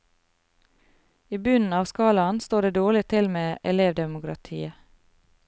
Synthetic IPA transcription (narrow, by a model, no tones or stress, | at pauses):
iːbʉnn̩ɑːʋskɑːlɑnst̪oːɖeːd̪oːɭɪt̪ʰɪlmeːʔɛleːʋd̪ɛmʊkɾɑ̰t̪ʰḭːə